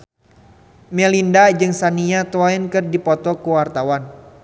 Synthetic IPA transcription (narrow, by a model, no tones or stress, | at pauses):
mɛlindad͡ʒɨŋsaniat̪oaɪnkɨrdipɔt̪ɔkuwart̪awan